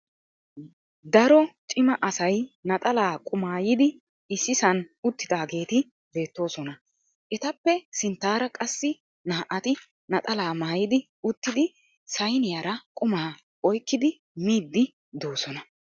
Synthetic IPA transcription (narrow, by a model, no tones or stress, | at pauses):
d̪ɐɾɔt͡ʃʼɪmɐʔɐsɐjnɐt̪ʼɐlaːkʼʊmaːjɪd̪ɪ | ɪsːɪsɐnʊt̪ːɪd̪aːɡe̞ːt̪ɪ | be̞ːt̪ːo̞ːsɔnɐ | ʔɛt̪ɐpːɛsɪnt̪ːaːɾɐkʼɐsːɪ | naːʔɐt̪ɪ | nɐt̪ʼɐlaːmaːjɪd̪ɪ | ʊt̪ːɪd̪ɪ | sɐjnɪjaɾɐkʼʊmaː | ɔjkːɪd̪ɪ | miːd̪ːɪ | d̪oːsɔnɐ